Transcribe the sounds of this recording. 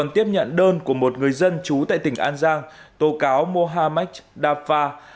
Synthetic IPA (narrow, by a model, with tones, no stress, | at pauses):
ɔ˨˩nt̪i˦˥əp̚ɲə̰˧˨nɗəː˧nku˧˩əmo˨˩t̚ŋɨ˨˩əjzə˧nt͡ɕu˨˦t̪a̰ː˧˨jt̪ï˧˩ŋ̟ʔaː˧nzaː˧ŋt̪o˨˦kaː˨˦wmo˧ɦaː˧ma˦˥k̚ɗaː˧faː˧